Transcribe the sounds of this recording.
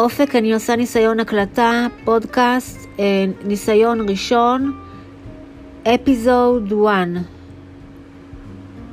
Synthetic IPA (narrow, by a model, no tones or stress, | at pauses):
o̞fekaniosanisajo̞naklatapo̞dkast | nisajo̞nʁiʃo̞n | ʔepizowdwan